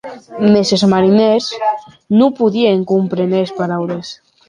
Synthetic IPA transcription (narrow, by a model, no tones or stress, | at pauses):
mesezmaɾinez | nupuðieŋkumpɾenespaɾawɾes